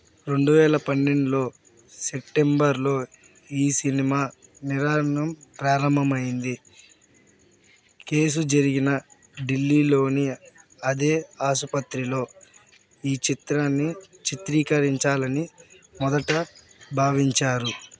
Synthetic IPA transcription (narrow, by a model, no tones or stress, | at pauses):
ɾe̞ɳɖuʋɛːlɐpɐnːeɳɖulo̞ː | sep̚ʈe̞mbɐɾlo̞ː | iːsinimaːniɾaːɾɐɳɐmpɾaːɾɐmbʱɐmɐjind̪i | ke̞ːs̬ud͡ʒɐɾiɡinɐ | ɖilːiːlo̞ːni | ɐd̪e̞ːaːsupɐt̪ɾilo̞ː | iːt͡ʃit̪ɾaːnːit͡ʃit̪ɾiːkɐɾiɲt͡ʃaːlɐnimɔd̪ɐʈɐbʱaːʋiɲt͡ʃaːɾu